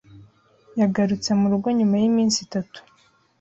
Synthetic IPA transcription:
jaɡaɾut͡se̞muɾuɡo̞ɲumajimiːnsitatu̥

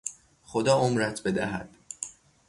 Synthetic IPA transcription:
χod̪ɒːʔomɾæt̪ʰbe̞d̪æɦæd̪̥

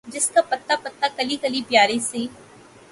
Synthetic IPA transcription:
d͡ʒɪskapɐt̪ːapɐt̪ːakɐlikɐlipjaːɾeseː

